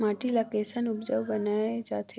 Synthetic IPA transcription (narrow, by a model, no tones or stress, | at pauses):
maːʈilakeːsənʊpd͡ʒəʋbənaed͡ʒa̰ːt̪ʰe